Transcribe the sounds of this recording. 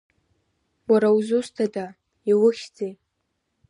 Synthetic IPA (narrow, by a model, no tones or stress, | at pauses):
waɾawzustʰada | iwʊχʲd͡zej